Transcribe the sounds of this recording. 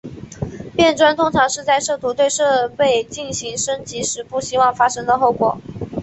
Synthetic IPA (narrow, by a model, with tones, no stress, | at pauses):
pjɛ˥˩nʈ͡ʂwa˥nt̪ʰʊ˥ŋʈ͡ʂʰɑ˧˥ŋʂɻ̩˥˧t͡sa˥˧ɪʂɤ˥˩t̪ʰu˧˥t̪we˥˧ɪʂɤ˥˧pe˥˩ɪt͡ɕi˥˩nɕi˧˥ŋʂɤ˥ŋt͡ɕi˧˥ʂɻ̩˧˥pu˥˩ɕi˥wɑ˥˩ŋfa˥ʂɤ˥ŋd̪ə˨xo˥˩ʊkwɔ̰˨˩˦